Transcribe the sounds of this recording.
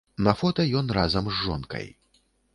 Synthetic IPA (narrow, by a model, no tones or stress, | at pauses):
nɐfɔt̪ɐjɔnrazɐmzːɔ̰nkɐ̰j